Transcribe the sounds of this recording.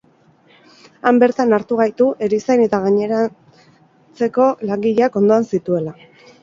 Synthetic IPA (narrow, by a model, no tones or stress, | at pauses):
ambe̞ɾt̪anaɾt̪uɣ̞ajt̪uʔe̞ɾisajne̞t̪aɣ̞aɲe̞ɾa | t͡se̞ko̞laŋɡiʎeako̞nd̪o̞ansit̪ue̞la